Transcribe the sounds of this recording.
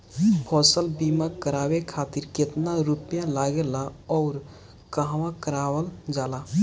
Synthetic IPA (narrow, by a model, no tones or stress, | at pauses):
pʰɔːsəlbimãkəɾaːwekʰat̪iɾkɪt̪naɾupjãlaɡelaɔːɾ | kəɦʋãkəɾaːwəld͡ʒaːla